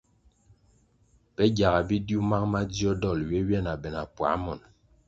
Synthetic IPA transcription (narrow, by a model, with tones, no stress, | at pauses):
pɛ˦ɡja˨ɣa˨bi˦dju˦ma˦kma˦di˦ɔ˦dɔ˦˨lɥe˦ɥɛ˦˨na˨bɛ˨na˨pwa̰˨˦mɔ˨n